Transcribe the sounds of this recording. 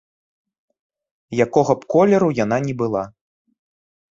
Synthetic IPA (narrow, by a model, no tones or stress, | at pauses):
jakɔɣɐpkɔlʲɛɾujan̪anʲɛbɨlˠa